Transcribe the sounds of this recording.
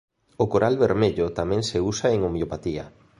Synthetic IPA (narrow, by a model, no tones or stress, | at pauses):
okoɾʔalβeɾmeʎot̪amɛ̃ŋseusaeŋomjopat̪iɐ̰